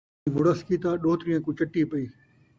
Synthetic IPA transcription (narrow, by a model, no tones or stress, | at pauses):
ʋʊɽəskit̪aːɗoːt̪ɾijãkũt͡ɕɐʈːipɐiː